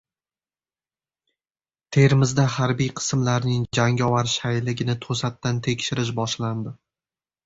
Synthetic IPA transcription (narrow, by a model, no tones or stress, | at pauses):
t̪ʰe̞ɾmɪzd̪aɦaɾbijqʰɨ̥smlaɾnɪŋd͡ʒaŋɒvaɾʃajlɪɡʲɪnɪt̪ʰosat̪ːant̪ʰe̞kʲʃɪɾɪʃ̬bɒʃland̪ɪ